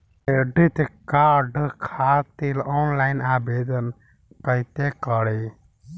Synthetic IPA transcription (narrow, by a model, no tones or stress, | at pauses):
eɖit̪kaːɖkʰaːt̪iloːnlaːɪnaːbeːd̪ən | kəɦit̪ekəɽe